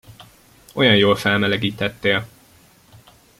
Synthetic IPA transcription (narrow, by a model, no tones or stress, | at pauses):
o̞jɒnjoːlfɛlmɛlɛɡiːt̪ɛt̪ːeːl